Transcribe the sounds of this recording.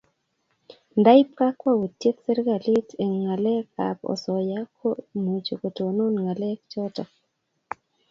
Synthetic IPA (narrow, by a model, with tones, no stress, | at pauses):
nda˦ɪ˦p̚ka˦kwa˦wo˨tːje˦ksɛ˦ɾɡa˨li˦tʰe˨ŋŋa˨lɛ˦ka̰˨pɔ̰˨sɔ˨ja˦kʰomu˨t͡ʃo˨ko˨to˨no˦nŋa˨lɛ˦k̚t͡ʃɔ˦tɔ˨